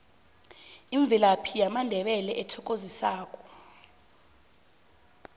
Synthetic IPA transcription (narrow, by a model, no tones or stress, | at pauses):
iɱvʱilapʰijamandʱɛɓɛlɛʔɛtʰɔkʼozisaːk̬ʼɔ̥